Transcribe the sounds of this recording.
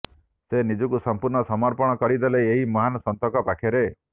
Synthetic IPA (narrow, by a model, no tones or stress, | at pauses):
senid͡ʒɔkusɔmpuɾɳɔsɔmɔɾpɔɽ̃ɔkɔɽid̪eleeɦimɔɦanɔsɔnt̪ɔkɔpakʰjaɾe